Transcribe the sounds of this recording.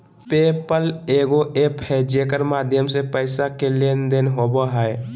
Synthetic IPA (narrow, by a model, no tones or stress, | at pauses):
pepəleɡoʔeːpʰhɛd͡ʒekəɾmaːd̪ʱjəmsepəɪsakelend̪enɦobəɦɛe